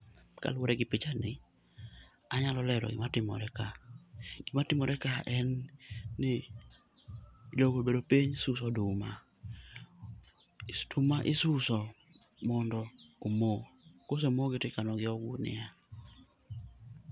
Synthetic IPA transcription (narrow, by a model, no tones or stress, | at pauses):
ka̰lwoɾɛɡɪpɪt͡ʃanɪ | aɲalɔlɛɾɔ̰ɡɪ̰matɪmɔ̰ɾɛkaɡ̥ɪmatɪmɔɾɛkaʔɛnː | ɪ | d͡ʒoɡobedopiɲsusɔdʊma | tumaʔɪsusɔ | mɔndɔomokos̬emoɡɪtɪkanɔɡɪɔɡunɪ̰a